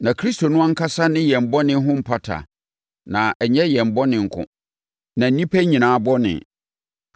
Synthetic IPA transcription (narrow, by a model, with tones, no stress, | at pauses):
nã˨kʰɾi˦sto˨nʊ̃˦ã˦ŋ̩˦kʰa˦sa˦nɪ̃˦jɛ˨m̩˨bɔ˦nɪ̃˦ɦʊ̃˦m̩˨pʰa˦tʰa̰˨ | nã˨ɛ˨ɲɛ˦jɛ˨m̩˨bɔ˦nɪ̃˨ŋ̩˨kʰʊ̰̃˦ | nã˨n̩˦nĩ˦pʰæ˦ɲĩ˨nãː˨˦bɔ˦nɪ̰̃˨